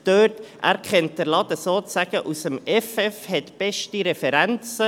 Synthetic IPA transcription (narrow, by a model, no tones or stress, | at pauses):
d̥øːtʔæ̰ːɾkχɛnt̚d̥əɾlɑd̪əsoːt͡sæɡ̥əʔusəmɛfɛfhɛtb̥ɛʃtiɾɛfɛɾænt͡sə